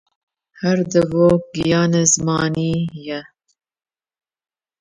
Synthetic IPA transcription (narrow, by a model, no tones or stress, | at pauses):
hɐɾd̪ɨvoːɡijɑːnezɨmɑːniːjɛ